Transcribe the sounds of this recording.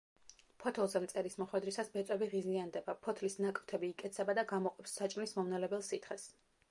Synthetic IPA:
pʰɔt̪ʰɛlˠzɛmt̪sʼɛɾismɔχwɛd̪ɾisasbɛt̪sʼɛbiʁiziand̪ɛbapʰɔt̪ʰlisnakʼft̪ʰɛbiːkʼɛt̪sʰɛbad̪aɡamɔqʼɛpsːat͡ʃʼnismɔmnɛlɛbɛlˠsit̪χɛs

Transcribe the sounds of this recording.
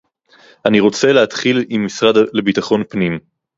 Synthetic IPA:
ʔaniʁo̞t͡se̞leat̪χilimːisʁadle̞bitaχo̞npnim

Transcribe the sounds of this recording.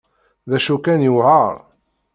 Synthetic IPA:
ðæʃukænjuʕaʁ

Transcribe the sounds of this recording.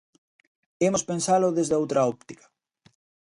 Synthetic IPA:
emospensalʊðezðowt̪ɾaɔp̚t̪ikḁ

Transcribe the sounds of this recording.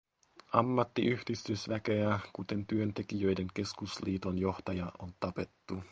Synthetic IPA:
ɑmːɑt̪ːiʔyhdist̪yøsʋækeækut̪e̞nt̪yønt̪e̞k̟ijø̞jde̞ŋk̟e̞skusliːt̪o̞njo̞ht̪ɑjɑʔont̪ɑpe̞t̪ːu

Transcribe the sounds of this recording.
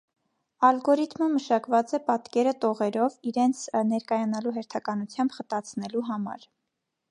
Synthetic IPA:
ɑlɡɔɾit̪məməʃɑkvɑt͡sɛpɑt̪kɛɾət̪ɔʁɛɾɔviɾɛnt͡sʰnɛɾkɑjɑnɑluɦɛɾt̪ʰɑkɑnut͡sʰjɑmbχət̪ɑt͡sʰnɛluɦɑmɑ̰ɾ

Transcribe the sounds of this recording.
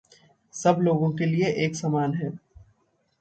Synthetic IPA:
sɐbloːɡõkelieʔeːksamaːnɦɛː

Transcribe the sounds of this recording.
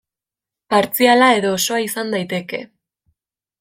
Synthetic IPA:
paɾt͡sialae̞ðo̞ːso̞aisand̪ajt̪e̞ke̞̰

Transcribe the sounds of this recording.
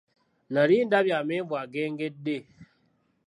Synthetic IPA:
naɾin̩dabjamevwaɡeŋɡede

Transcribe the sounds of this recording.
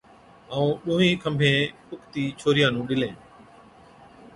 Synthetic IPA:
əũːɗũːɦĩːkʰə̃mbʱẽːpʊkʰt̪iːt͡ʃʰoːɾɪjãːnũːɗɪlẽː

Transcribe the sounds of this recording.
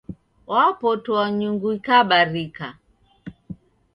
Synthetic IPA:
wapɔtuwaɲuŋɡuikaɓaɾika

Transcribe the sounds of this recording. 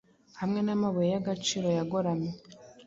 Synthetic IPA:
hamŋe̞namaβojejaɡat͡ʃiːɾo̞jaɡoɾame

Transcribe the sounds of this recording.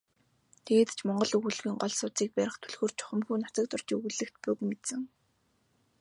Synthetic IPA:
t̪ʰeɣeːt̪t͡ɕʰmɔɴɢɞ̆ɮɵɣŭɮɣiːŋɢɔɮsʊt͡siːk̚pæɾʲɪ̆χt̪ʰɵɮɣoːrt͡ɕʰʊ̥χə̆mxuːnḁt͡sə̆k̚t̪ʰʊr̥t͡ɕɵɣŭɮɘ̆kt̪pʊkmet̪sɘ̆ŋ

